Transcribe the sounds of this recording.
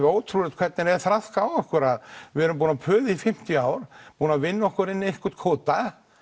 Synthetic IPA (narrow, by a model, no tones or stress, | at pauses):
oːwt̪ʰɾuɾɛt̪kʰvɛt̪nɪɾɛðθɾaskawɔhkʏɾaðvɪɛɾʏmp̬uːnapʰœːðɪifɪm̥t̪iaːwɾ̥puːnavɪnːɔhkʏɾɪnːehkʏɾt̪kʰoːt̪a